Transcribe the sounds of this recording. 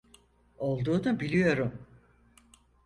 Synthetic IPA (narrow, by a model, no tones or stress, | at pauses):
o̞lˠd̪uːd̪abilʲijo̞ɾum